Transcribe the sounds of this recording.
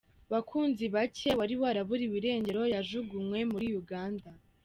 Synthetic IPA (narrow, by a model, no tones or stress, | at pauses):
βakʰuːnziβace̞waɾiβaɾaβuɾiwiɾe̞ːɲɟe̞ɾo̞jaʒuɡumŋwe̞muɾijuɡaːnda